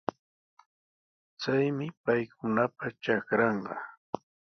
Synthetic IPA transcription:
t͡sajmɪpajkʰʊnapaʈ͡ʂakɾɑɴɢɑ̰

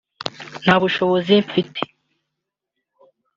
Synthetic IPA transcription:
n̥aβuʃo̞βoziɱfitʰe̥

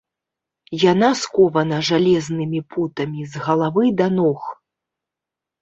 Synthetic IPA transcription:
janaskɔvɐnɐʐalʲɛznɨmʲiput̪ɐmʲizɣɐlˠavɨd̪anɔx

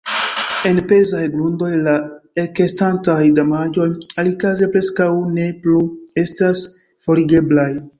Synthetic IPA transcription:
e̞npe̞zajɡlundo̞jlaeke̞stantajdamad͡ʒo̞jalikaze̞pɾe̞skawne̞plue̞stas | fo̞ɾiɡe̞blaj

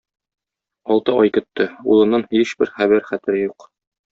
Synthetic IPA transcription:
ɒlˠt̪ɤʔɒjkɵ̆t̪ːɘṵlˠɤ̆nːɑnhiɕbɘɾχæbæɾχæt̪ɘ̆ɾɘjuq

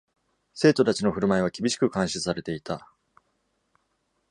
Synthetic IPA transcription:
se̞ːt̪o̞t̪at͡ɕino̞ɸɯ̟ɾɯ̟maeβ̞akʲibʲiɕi̥kɯ̟kãɕisaɾe̞t̪e̞it̪a

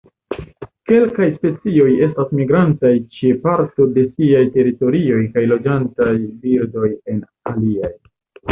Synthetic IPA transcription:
ke̞lkajspe̞t͡sio̞je̞stasmiɡɾantajt͡ʃe̞paɾto̞de̞siajte̞ɾito̞ɾio̞jkajlo̞d͡ʒantajbiɾdo̞je̞n | aliaj

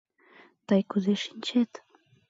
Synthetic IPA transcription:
t̪ɑjkuzeʃinʲt͡ʃet̪

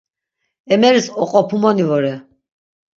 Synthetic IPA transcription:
ɛmɛɾisɔqʼɔpʰumɔnivɔɾɛ

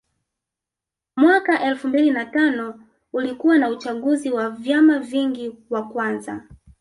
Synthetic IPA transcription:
mwakaʔɛlfumbilinatanɔ | ulikuwanaut͡ʃaɠuziwavjamaviŋɡiwakwanza

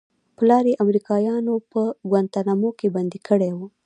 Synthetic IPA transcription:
plɑɾeʔamɾikʰɑjɑnopəɡwant̪anamokeband̪ikʰəɽewu

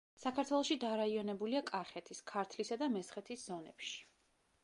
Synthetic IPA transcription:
sakʰaɾt̪ʰwɛlˠɔʃid̪aɾaiɔnɛbuliakʼaχɛt̪ʰiskʰaɾt̪ʰlisad̪amɛsχɛt̪ʰisz̥ɔnɛpʃi̥

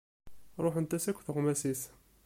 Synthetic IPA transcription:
ɾˤoħənt̪æsækʷːθəʁmæsis

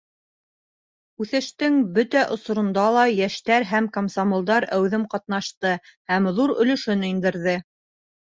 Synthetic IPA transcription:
ʉθɘ̆ʃt̪ɘŋbɵt̪æʔŏs̆ɾŏnd̪ɑlˠɑjæʃt̪æɾɦæmkomsɑmolˠd̪ɑɾæwðɘmqɑt̪n̪ɑʃt̪ɤhæmðuɾɵ̆lɵ̆ʃɵnind̪ɘ̆ɾðɘ

